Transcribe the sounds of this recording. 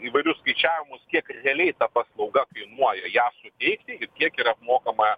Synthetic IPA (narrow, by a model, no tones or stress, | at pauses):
iːʋɐɪɾʲʊsskɐɪt͡ʃʲæːʋʲɪmʊskʲiɛkɾʲɛɐlʲɛɪt̪ɐpɐslˠɐʊɡɐkɐɪnuɔjɛjæːsʊt̪ʲɛɪkt̪ʲɪɪkʲiɛkiɾɐpmoːkɐmɐ